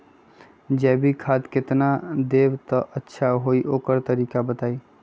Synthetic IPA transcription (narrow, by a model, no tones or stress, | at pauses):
d͡ʒɛbʱikʰad̪kɪt̪nad̪ebt̪ɔʔətːʃʰaɦoiʔoːkəɾt̪əɾiːkabət̪aːi